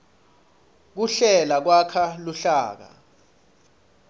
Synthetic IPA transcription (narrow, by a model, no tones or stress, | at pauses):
k̬uɬɛlak̬wakʰaluɬaːk̬a̰